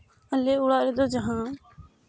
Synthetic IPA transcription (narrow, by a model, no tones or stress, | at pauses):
əleːʊɽaːɾeːd̪oːd͡ʒəɦãː